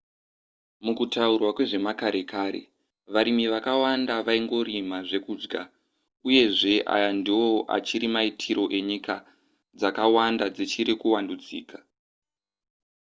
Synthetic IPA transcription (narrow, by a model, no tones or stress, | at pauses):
mukutaurwakwe̞ʐe̞makaɾe̞kaːɾe̞̰ | ʋaɾimiʋakawandaʋaiŋɡo̞ɾimaʐe̞kuːd͡ʒɡa | uje̞ʐe̞ʔa̰jandiwo̞ʔa̰t͡ʃiɾimaitʰiɾo̞ʔe̞ɲika | d͡zakawandad͡zit͡ʃiɾikuwandud͡zḭːkḁ